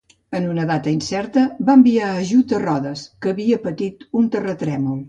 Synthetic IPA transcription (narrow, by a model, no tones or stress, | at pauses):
ənunəðat̪əinsɛɾt̪əbambiaəʒut̪ərɔðəskəːβiəpət̪it̪unt̪ərət̪ɾɛmulˠ